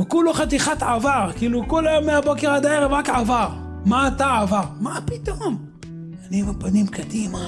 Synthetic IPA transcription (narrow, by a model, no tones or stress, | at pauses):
vekuloχat̪̬iχat̪ʕavaʁkiːlukolajomːeabokeʁad̪aeʁevʁakʕavaʁ | maːt̪aʕavaʁmapit̪om | anibepanimkad̪ima